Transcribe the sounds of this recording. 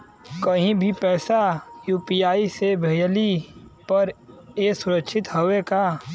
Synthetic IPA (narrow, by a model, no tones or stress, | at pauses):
kəɦĩbʱipɛːsajuːpijaːisebʱejlipɐɾeːsʊɾəkʃʰɪt̪ɦoweka